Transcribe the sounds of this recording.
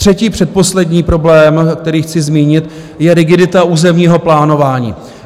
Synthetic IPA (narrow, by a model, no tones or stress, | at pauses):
t̪r̥ɛciːpr̝̥ɛt̪̚po̞slɛdɲiːpɾoblɛːmkt̪ɛɾiːxt͡sɪzmiːɲɪt̪ | jɛɾɪɡɪdɪt̪auːzɛmɲiːɦo̞plaːno̞vaːɲḭː